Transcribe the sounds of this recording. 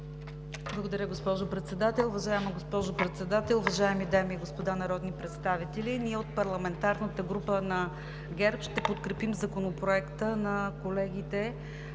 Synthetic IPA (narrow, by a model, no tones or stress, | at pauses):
blˠɐɡod̪ɐɾʲjəɡospɔʒopɾɛt̪sɛd̪at̪ɛlˠʊvɐʒaɛməɡospɔʒopɾɛt̪sɛd̪at̪ɛlˠʊvɐʒaɛmid̪amiɛɡospod̪anɐɾɔd̪nipɾɛt̪st̪avit̪ɛliniɛot̪̚pɐɾlˠɐmɛnt̪aɾnət̪əɡɾupənɐ | ɡɛɾpʃt̪ɛpot̪kɾɛpimzɐkonopɾoɛkt̪ənɐkolɛɡit̪ɛ